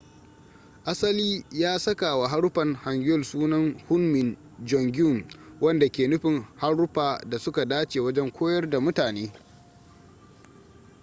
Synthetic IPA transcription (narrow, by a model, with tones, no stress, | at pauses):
ʔa˦sɐ˦liː˦jaː˦sɐ˦ka˨wa˨ɦa˦ɽʊ˦ɸɐ˨ŋha˨ŋɡʊ˦ɔ˦˨lsuː˦nɐ˦nhʊ˦nmɪ˨n | d͡ʒɔ˨ŋɡʲʊ˦˨mwʔɐ˦nda˨kʲeː˨nʊ˦ɸɪ˨ŋha˦ɽːʊ˦ɸaː˨da˨sʊ˦ka˨daː˦t͡ʃeː˨wɐ˦d͡ʒɛ˦ŋkʷoː˦jɐ˦rda˨mʊ˦taː˨neː˦